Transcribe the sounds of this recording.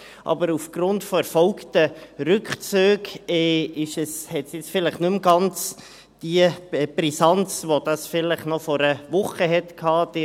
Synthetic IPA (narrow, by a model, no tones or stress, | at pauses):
ʔɑ̰bəɾufɡ̥ɾʊntfɔɾfɔlktəɾʏkχt͡søːɡɛːɪʃəshɛtsjɪt͡sfɪləχnʉmɡɑnt͡s | d̥iəbɾisɑnt͡sʋod̥ɑsfɪləχnɔfɔɾəvʊχəɦɛtkʰɑːd̥ɪ